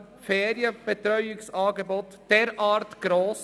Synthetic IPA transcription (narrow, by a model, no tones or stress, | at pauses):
feːɾjəb̥ət̪ɾœʏɪksɑːɡəbot̪ | d̥ɛɾʔɑːɾtɡ̥ɾoːs